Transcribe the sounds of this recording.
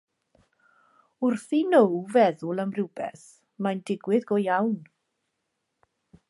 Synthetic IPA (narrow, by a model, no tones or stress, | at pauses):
ʊrθinowvɛðʊlˠəmrɪwbɛ̰s | majndɪɡwɪðɡɔjawn